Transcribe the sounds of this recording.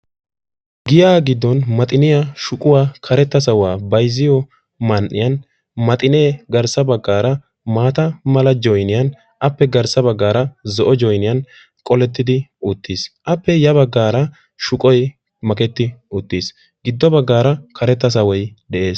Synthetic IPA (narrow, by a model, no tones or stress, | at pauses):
ɡɪjaːɡɪd̪ːɔnmɐt̪ʼɪnɪjɐʃʊkʼʊwaːkʰɐɾɛt̪ːɐs̬ɐwaːbɐjzɪjɔ | mɐnʔːɪ̰jɐn | mɐt̪ʼɪneːɡɐɾsɐbɐɡːaːɾɐ | maːt̪ɐmɐlɐd͡ʒɔjnɪjɐn | ʔɐpːɛɡɐɾsɐbɐɡːaːɾɐzɔʔɔd͡ʒɔjnɪjɐn | kʼɔlɛt̪ːɪd̪ɪʊt̪ːisʔɐpːɛjɐβɐɡːaːɾɐ | ʃʊkʼɔj | mɐkɛt̪ːɪʊt̪ːiːs | ɡ̥ɪd̪ːɔbɐɡːaːɾɐkʰɐɾɛt̪ːɐs̬ɐwɔjd̪ɛʔe̞ːs